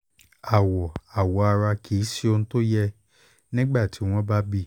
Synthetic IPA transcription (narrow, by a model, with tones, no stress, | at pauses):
a˨wɔ˨a˨wɔ˨˦a˧ɾa˧kʰi˨˦si˦o˧ñ̩˦to˦jɛ˧ | nĩ˦ɡ͡ba˦˨ti˨˦w̃ɔ̃˦ba˦bi˦˨